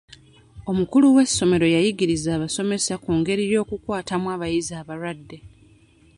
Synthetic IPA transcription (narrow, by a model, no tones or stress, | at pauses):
o̞mukuluwe̞sːo̞me̞ɾo̞jajiɡiɾizaːβaso̞me̞sakuːŋɡe̞ɾijo̞ːkukwaːtamwaːβajizaːβaɾwadːe̞